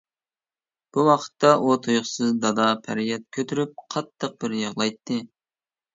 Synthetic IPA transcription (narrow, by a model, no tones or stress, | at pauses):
b̥uwɑqʰə̥t̪ːɑʔot̪ʰojʊχsɨzd̪ɑd̪ɑpʰæ̰ɾijɛt̪̚kʲʰøt̪ʰyɾyp̚qʰɑt̪ːəq̚bɪɾjɑʁlˠɑjt̪ʰːɨ